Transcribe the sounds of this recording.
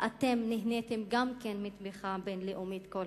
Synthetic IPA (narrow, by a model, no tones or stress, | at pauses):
ʔatemnihnetimɡamkenmit̪miχabenleʔumit̪kol